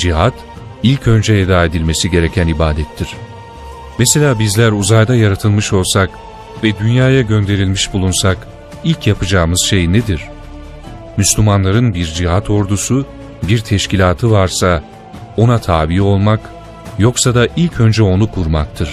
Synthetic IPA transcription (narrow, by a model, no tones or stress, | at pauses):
d͡ʒiɦat̪ | ilʲcʰø̞nd͡ʒɛed̪aːe̞d̪ilʲme̞siɟe̞ɾe̞cʰænibaːd̪ɛt̪ʰːiɾ̥ | mɛse̞lʲaːbizlʲæɾuzajd̪ajaɾat̪ʰɯlˠmɯʃo̞lˠsak | vɛd̪ynjaːjaɟø̞nd̪e̞ɾilʲmiʃbulˠunsak | ilʲcʰjapʰɯd͡ʒaːmɯz̥ʃe̞jned̪iɾ̥ | myslʲymanlˠaɾɯnbiɾd͡ʒiɦat̪ʰo̞ɾd̪usu | biɾt̪ʰɛʃcilʲaːt̪ʰɯvaɾsa | o̞nat̪ʰaːbio̞lˠmak | jo̞ksad̪aʔilʲcʰø̞nd͡ʒɛo̞nukʰuɾmak̚t̪ʰɯɾ̥